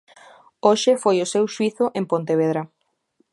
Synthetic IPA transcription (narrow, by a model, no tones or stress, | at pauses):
oʃɪfojʊsewʃwiθʊʔempont̪eβ̞eðɾa